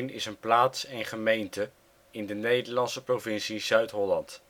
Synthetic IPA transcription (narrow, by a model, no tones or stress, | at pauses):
nɪsənplaːtsɛnχəmejntə | ɪndənejdəɹlɑnsəprovɪnsizœɥtɦɔlɑnt